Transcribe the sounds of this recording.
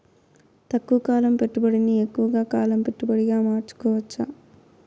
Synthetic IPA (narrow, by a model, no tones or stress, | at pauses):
t̪ɐkːuʋɐkaːlɐmpe̞ʈːubɐɽiniekːuʋɐɡaːkaːlɐmpe̞ʈːubɐɽiɡaːmaːɾt͡ʃu̥kɔːʋɐt͡ʃːɐ